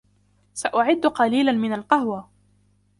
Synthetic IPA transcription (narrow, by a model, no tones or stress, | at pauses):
saʔʊʕɪd̪ːqɑliːlanmɪnalqɑhwa